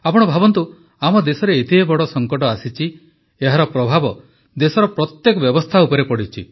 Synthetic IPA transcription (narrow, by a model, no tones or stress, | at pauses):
apɔɽ̃ɔbʱabɔnt̪u | amɔd̪esɔɾeːt̪iɦebɔɽɔsɔŋkɔʈ̬ɔasit͡ʃʰi | eɦaɾɔpɾɔbʱabɔ | d̪esɔɾɔpɾɔt̪jekɔbjɔbɔst̪ʰaupɔɾepɔɽit͡ʃʰḭ